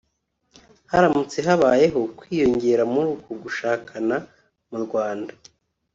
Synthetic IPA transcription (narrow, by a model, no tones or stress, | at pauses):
haɾamut͡se̞ɦaβaːje̞ɦo̞kwiːjo̞ɲɟe̞ːɾamuɾukoɡuʃaːkʰana | muɾɡwaːnda